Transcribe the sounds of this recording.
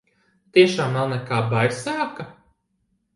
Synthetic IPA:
t̪iɛʃaːmnawnɛkaːbajɾsaːka

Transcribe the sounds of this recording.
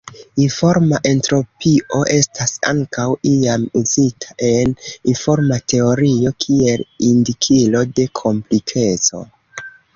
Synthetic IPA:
info̞ɾmaʔe̞ntɾo̞piʔo̞ʔe̞stʰasa̰ŋkawiamuzitʰḁʔe̞ninfo̞ɾmate̞o̞ɾio̞kʰie̞lindikʰilo̞de̞kʰo̞mplikʰe̞t͡so̞̰

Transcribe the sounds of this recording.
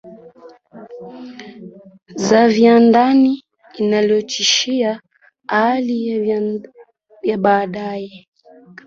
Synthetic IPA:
zavjandaniː | naljɔt͡ʃiʃia | ali | jaɓaːɗajɛ

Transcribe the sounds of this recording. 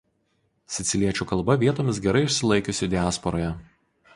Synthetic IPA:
sʲɪt̪sʲɪlʲiɛt͡ʃʲuːkɐlˠˑbɐʋʲiɛt̪oːmʲɪsɡʲɛɾɐɪɪʃʲsʲɪlˠɐɪkʲʊsʲɪd̪ʲɪæːspɔɾoːjɛ

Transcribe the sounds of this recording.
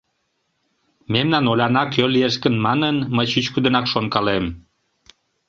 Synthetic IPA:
memnɑnolʲɑnɑkølieʃkənmɑnənməjɕyt͡ɕkud̪ənɑkʃonkɑlem

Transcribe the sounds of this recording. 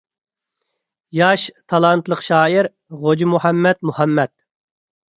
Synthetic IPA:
jɑʃt̪ʰɑlˠɑnt̪lˠəqʃɑːiɾ | ʁod͡ʒimuhɛmːɛt̪muhɑmːɛt̪̚

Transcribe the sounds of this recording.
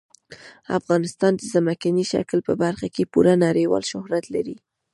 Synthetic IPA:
a̰fɣɑnɪst̪ɑnd̪əzamakaniʃa̰klpəbaɾxakepuɾanɑɾejwɑ̰lʃʊhɾat̪laɾi

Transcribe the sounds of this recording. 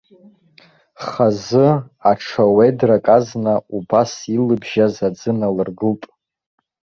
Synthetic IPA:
χazɨ | aʈ͡ʂʰawedrakʼaznaubasilɨbʒazad͡zɨnalɨrɡɨltʼ

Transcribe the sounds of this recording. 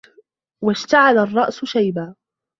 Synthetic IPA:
waʃt̪aʕalarˤːɑʔsʊʃajbaː

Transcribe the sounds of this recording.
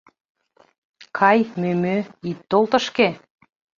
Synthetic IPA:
kʰɑjmømøit̪ːolˠt̪ə̆ʃke

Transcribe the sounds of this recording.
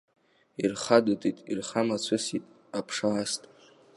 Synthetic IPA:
irχadutʼitʼḭrχamat͡sʷʰɨsitʼ | apʰʂaːstʼ

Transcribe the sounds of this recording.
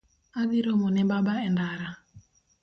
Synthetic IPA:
aðiɾɔmɔnɛbabaɛndaɾa

